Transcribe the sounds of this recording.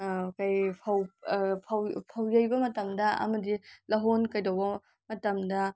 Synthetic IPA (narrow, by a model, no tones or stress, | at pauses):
kɐjpʰɐwpʰɐwpʰɐwjɐjbɐmɐtɐmdɐɐ̰mɐdilɐɦonkɐjdɐwbɐ | mɐtɐmdɐ